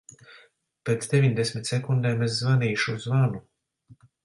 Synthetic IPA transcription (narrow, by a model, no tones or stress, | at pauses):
peːt̪sd̪evʲiɲd̪esmʲit̪ʲsɛkund̪eːmes̬zvaniːʃuzvanu